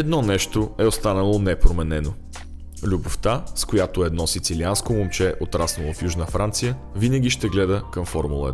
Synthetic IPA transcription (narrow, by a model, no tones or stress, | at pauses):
ɛd̪nɔnɛʃt̪oɛost̪anəlˠonɛpɾomɛnɛno | lʲuboft̪askojat̪oɛd̪nɔsit̪silianskomomt͡ʃɛʔot̪ɾasnovəfjuʒnəfɾant̪sijə | vinəɡ̟iʃt̪ɛɡlɛd̪əkəmfɔɾmulˠə̰ɛ